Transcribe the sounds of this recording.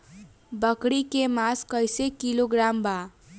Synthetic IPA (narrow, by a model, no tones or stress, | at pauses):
bəkɽikemaskəjsekiloɡɾamba